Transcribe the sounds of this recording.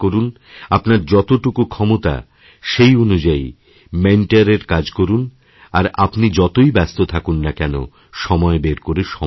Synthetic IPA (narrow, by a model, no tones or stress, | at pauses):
koɾun | apnaɾd͡ʑɔt̪oʈukukʰɔmot̪a̰ | ʃejonud͡ʑai | meɳʈaɾeɾkad͡ʑkoɾun | aɾapnid͡ʑɔt̪ojbɛst̪ot̪ʰakunːakɛno̰ | ʃɔmɔebeɾkoɾeʃɔ